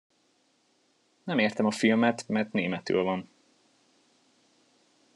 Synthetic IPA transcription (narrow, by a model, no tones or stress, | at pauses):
nɛmeːrt̪ɛmɒfilmɛt̪mɛrt̪neːmɛt̪ø̰ːlvɒn